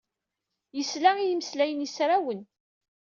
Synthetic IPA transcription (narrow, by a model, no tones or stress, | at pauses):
jəslaijiməslæjənisɾæwən